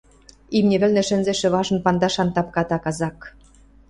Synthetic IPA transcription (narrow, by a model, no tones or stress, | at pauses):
imnʲĕβɘ̆lnɘ̆ʃɘ̆nzĕʃɘ̆βɑʒɤ̆npɑnd̪ɑʃɑnt̪ɑp̚kɑt̪ɑkɑzɑk